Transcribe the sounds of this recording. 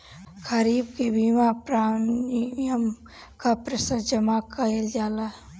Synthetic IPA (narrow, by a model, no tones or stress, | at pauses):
kʰəɾiːb̚kebiːmapɾaː | jəm | kapɾesəɾd͡ʒəmakəeld͡ʒaːla